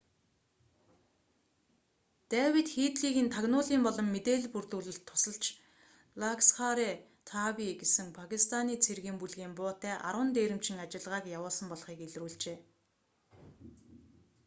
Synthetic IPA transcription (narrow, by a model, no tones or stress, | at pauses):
t̪æːwit̪xiːt̪ɮiːɣĭːnt̪ʰaɣnʊːɮiːmpɔɮɞ̆mːet̪eːɮpurt̪uːɮɘ̆ɬt̪ʰːʊ̥sə̆ɬt͡ɕ | laksχaɾe | t̪ʰawiɡesɘ̆ŋpʰakʲist̪ʰaniːt͡sʰerɣiːmpuɮɣiːmpʊːt̪æːʔa̰ɾwə̆nt̪eːɾɘ̆m̥t͡ɕʰɪ̆ŋat͡ɕɪ̆ɮʁaːkjawʊːɮsə̆mpɔɮχiːkeɮruːɮt͡ɕeː